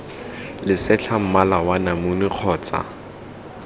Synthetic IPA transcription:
lɪsɛt͡ɬʰam̩malawanamʊnɪq͡χʰɔːt͡sʼa̰

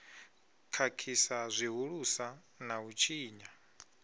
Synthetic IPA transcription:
kʰakʰisazʷiɦuɺusa | naut͡ʃʰiːɲa

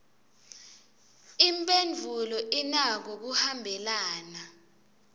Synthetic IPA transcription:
impʼend͡vʱulɔʔinak̬ok̬uhambʱɛlaːna

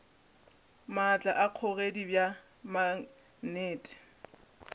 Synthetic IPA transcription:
mat͡ɬʼaʔaq͡χʰɔɣedibja | ma | neːtʼɪ̥

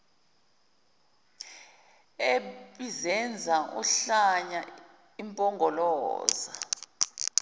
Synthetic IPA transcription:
eɓizɛnd͡zʱaʔṵɬaɲa | impʼɔŋɡʱɔlɔ̰ːza̰

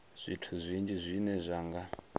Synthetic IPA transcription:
z̥ʷitʰuzʷind͡ʒizʷinɛzʷaːŋɡa

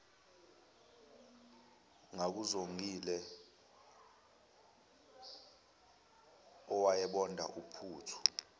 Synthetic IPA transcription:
ŋak̬uzoŋʱilɛ | ɔwajɛɓɔndʱa̰ʔupʰuːtʰu̥

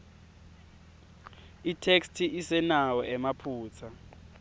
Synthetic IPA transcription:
itʰekstʰiʔisɛnawɔʔɛmapʰuːt͡sʰa

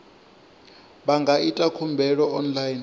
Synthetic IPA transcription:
ɓaŋɡʱaʔitʼakʰumbʱɛɺɔʔɔnlajin

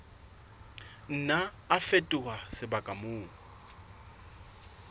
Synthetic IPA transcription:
n̩naː | fetʼʊwasɪbakʼamʊːŋɔ

